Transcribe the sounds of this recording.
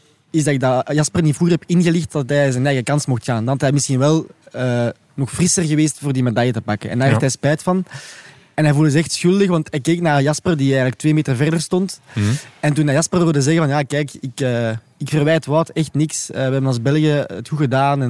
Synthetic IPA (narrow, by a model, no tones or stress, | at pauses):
ɪzdɑɪɡ̚dɑjɑspərnitfruːɣərɦɛpɪnɣəlɪxt̚dɑtɛjzənɛːɣəkɑnsmɔxtxaːndɑntɦɛjmɪsxinʋɛlˠəː | nɔxfrɪsərɣəʋeːstfoːrdimedɑjətəpɑkənɛ̰ndaːrɦɛftɦɛspɛːtfɑn | ɛnɦɛvuːlˠdəzəɛxtsxʏlˠdəxʋɑntɛkːeːknaːrjɑspərdiɛːɣənlək̚tweːmeːtərvɛrdərstɔnt | ɛntunːajɑspərʋɪrdəzɛɣəvɑnjakɛːkɪkəː | ɪkfərʋɛjtʋaːtɛxtnɪksəːʋəɦɛbənɑlˠzbɛlˠɣjəəthuɣədaːnɛ